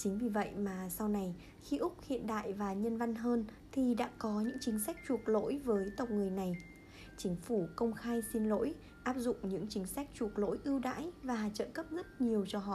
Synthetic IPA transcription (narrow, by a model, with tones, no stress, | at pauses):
t͡ɕï˨˦ŋ̟vi˨˩və̰˧˨jʔmaː˨˩sa˧wna˨˩j | xi˧ʔʊ˦˥k͡p̚hḭ˧˨ənɗa̰ː˧˨jvaː˨˩ɲə˧nva˧nɦəː˧n | t̪ʰi˨˩ɗa̰ː˧˥kɔ˨˦ɲɨ̰˧˥ŋt͡ɕï˨˦ŋ̟sa˦˥jk̟̚t͡ɕu˨˩ək̚lo̰˧˥jvəː˨˦jt̪ə˨˩wk͡p̚ŋɨ˨˩əjna˨˩j | t͡ɕï˨˦ŋ̟fu˧˩kə˧wŋ͡mxaː˧jsi˧nlo̰˧˥j | ʔaː˦˥p̚zʊ̰˧˨ŋ͡mɲɨ̰˧˥ŋt͡ɕï˨˦ŋ̟sa˦˥k̟̚t͡ɕu˨˩ək̚lo̰˧˥jʔɨ˧əwɗa̰ː˧˥jvaː˨˩t͡ɕə̰ː˧˨kə˦˥p̚zə˦˥t̚ɲi˨˩əwt͡ɕɔ˧ɦɔ̰˧˨ʔ